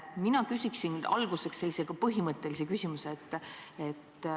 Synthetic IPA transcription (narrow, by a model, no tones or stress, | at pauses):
minɑkysʲiksinɑ̰lɡuse̞ksːe̞lʲːiseɡɑpɤɦimɤt̪ːˑe̞lisekysʲimuseːt̪ːˑet̪ːˑ